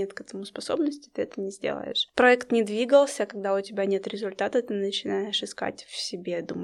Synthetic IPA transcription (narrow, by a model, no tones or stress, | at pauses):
et̪kɛt̪əmʊspɐso̞bnəsʲtʲɪ̥t̪ɨɛt̪ənʲɪzʲdʲḛlˠə̰ɪ̰ʂpɾɐɛkt̪nʲɪd̪vʲiɡəlˠsʲəkɐɡ̚d̪aʊtʲɪbʲanʲe̞t̪ɾʲɪzʊlʲt̪at̪ət̪ɨnət͡ɕɪnaɪʂɨska̰tʲfsʲɪbʲe̞d̪umə